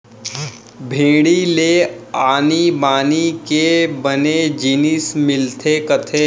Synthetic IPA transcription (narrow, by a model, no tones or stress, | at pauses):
bʱẽːɽileaːnibaːnikebəned͡ʒiːnɪsmɪlt̪ʰekɐt̪ʰeː